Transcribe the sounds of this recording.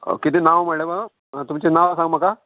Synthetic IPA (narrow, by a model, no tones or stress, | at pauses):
kit̪inaʋmɐɭeba | t̪umt͡ʃenaʋsãŋɡmɐka